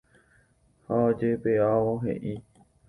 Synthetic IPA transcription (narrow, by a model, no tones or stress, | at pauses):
haod͡ʒepeaʋoɦḛʔi